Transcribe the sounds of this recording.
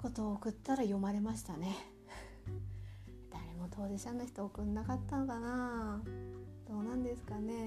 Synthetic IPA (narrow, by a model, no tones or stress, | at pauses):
ko̞t̪o̞ːkɯ̟t̪ːaɾajo̞maɾe̞maɕi̥t̪ane̞ | d̪̥aɾe̞mo̞t̪ʰo̞ːd̪eɕanoçi̥t̪oːkɯ̟nːakat̪ːanokana | d̪̥o̞ːnãnd̪e̞sɨ̥kane̞